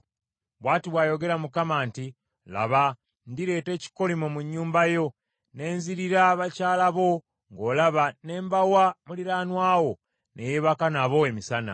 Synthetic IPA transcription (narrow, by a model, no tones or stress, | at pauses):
βwaːtiβwaːjo̞ɡe̞ɾamukamaːnti | la̰βa | ndiɾe̞ːte̞ːci̥ko̞limomuɲːuːmbajo̞ | ne̞ːnziɾiɾaβacaːlaβo̞ | ŋɡo̞ːlaβane̞ːmbawamuliɾaːnwaːwo̞ | nʔe̞jeβakanaβo̞e̞misana̰